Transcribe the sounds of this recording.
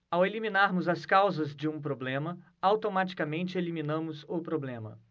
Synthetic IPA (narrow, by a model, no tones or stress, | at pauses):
awelimĩnaɾmʊzɐskawzɐzd͡ʒɪũpɾoblẽmɐ | awt̪omat͡ʃi̥kamẽnt͡ʃɪelimĩnɐ̃mʊzʊpɾoblẽmɐ̰